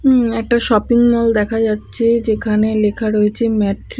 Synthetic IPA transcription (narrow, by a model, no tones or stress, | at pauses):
ɛk̚ʈaʃɔpiŋmɔld̪ɛkʰad͡ʑatːɕʰed͡ʑekʰanelekʰaɾoet͡ɕʰemɛʈ